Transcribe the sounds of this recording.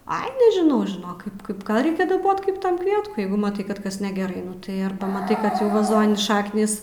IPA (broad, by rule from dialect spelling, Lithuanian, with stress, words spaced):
ɐɪ nʲɛʒʲɪˈnɐʊ ʒʲɪˈnoːk ˈkɐɪp ˈkɐɪp ˈɡɐlˠ ˈrʲɛɪkʲɛ dɐˈboːt ˈkɐɪp ˈtɐm ˈkʋʲiɛtkʊɪ ˈjɛɪɡʊ mɐˈtɐɪ ˈkɐt ˈkɐs nʲɛɡʲɛˈrɐɪ ˈnʊ tɐɪ ˈɐrbɐ mɐˈtɐɪ ˈkɐt jɛʊ ʋɐˈzoːnʲɪ ˈʃɑːknʲiːs